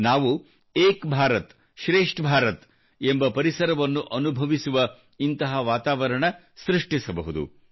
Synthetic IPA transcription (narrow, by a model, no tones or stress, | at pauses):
naːʋu | eːkbʱaːɾɐt̪ | ʃɾeːʂʈbʱaːɾɐt̪ | embɐpɐɾisɐɾɐʋɐnːuʔɐnubʱɐʋisuʋɐ | int̪ɐɦɐʋaːt̪aːʋɐɾɐɳɐ | sɾiʂʈisɐbɐɦud̪ṵ